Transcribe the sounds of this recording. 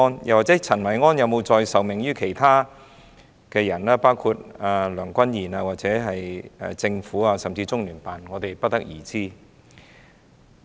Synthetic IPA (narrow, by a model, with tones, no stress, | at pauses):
ɔ˥njɐ̰˨˩wa˨t̚t͡sɛː˨˥t͡sʰɐ˨˩nwɐ˨˩jŋɔː˥njɐ˨˧wmo˨˧wt͡sɔː˧jsɐ˨wmɪ˨˩ŋjyː˥kʰe˨˩jt̪ʰaː˥ | kɛː˧jɐ˨˩naː˧˥paː˥wkʰu˧t̚aː˨˩lœː˨˩ŋkʷɐ˥njiː˨˩naː˧waː˨˩t͡sɛː˨˥ɦɐ˨jɛ̰˧t͡sɪ˧ŋfuː˨˥aː˧sɐ˨mt͡siː˧t͡sʊ˥ŋlyː˨˩npaː˨nŋɔː˨˧t̪e˨jpɐ˥t̚t̪ɐ˥k̚jiː˨˩t͡siː˥